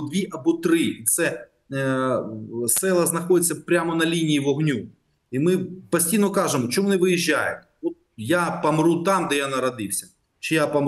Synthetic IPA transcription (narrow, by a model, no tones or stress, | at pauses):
d̪ʋʲiʔɐbɔt̪ɾɪt̪sɛ | sɛlˠɐznɐxɔd̪ɪt͡sʲːɐpɾʲamɔnɐlʲinʲijiʋɔɦnʲu | imɪpɐsʲtʲijnɔkɑʒemɔt͡ʃɔmunɪʋɪjiʒʲːajʊ̰t̪ | ɔt̪̚japɐmɾut̪ɑmd̪ɛjanɐɾɐd̪ɪwsʲɐ̥ | t͡ʃɪjapɐm